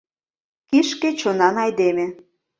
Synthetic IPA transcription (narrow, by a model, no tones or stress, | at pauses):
kiʃket͡ɕonɑnɑjd̪emĕ